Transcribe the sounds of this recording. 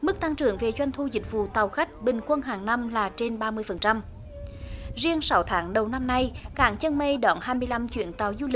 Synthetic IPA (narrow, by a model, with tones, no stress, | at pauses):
mɨ˦˥k̚t̪a˧ŋt͡ɕɨ̰˨˧˩əŋve˨˩t͡ɕwa˧jŋ̟t̪ʰu˧zï˨˩k̟̚vṵ˧˨t̪a˨˩wxa˦˥k̟̚ɓï˨˩ŋ̟kwə˧nɦaː˨˩ŋna˧mlaː˨˩t͡ɕe˧nɓaː˧mɨ˧əjfə˨˩nt͡ɕa˧m | zi˧əŋsa˨˦wt̪ʰaː˨˦ŋɗə˨˩wna˧mna˧jkaː˧˩˥ŋt͡ɕə˧nme˧ɗɔ˨˦nɦaː˧jmɨ˧əjla˧mt͡ɕwḭ˧˥ənt̪a˨˩wzu˧lï˨˩k̚